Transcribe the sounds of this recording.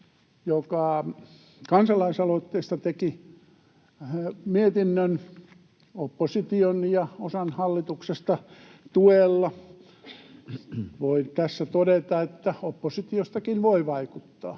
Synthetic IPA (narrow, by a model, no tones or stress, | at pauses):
jokɑ | kɑnsɑlɑisɑlot̪ːeist̪ɑt̪eki | miet̪inːøn | opːosit̪ionjɑosɑnhɑlːit̪uksest̪ɑt̪uelːɑ | ʋoit̪æsːæt̪odet̪ɑet̪ːæopːosit̪iost̪ɑkinʋoiʋɑikut̪ːɑ̰ː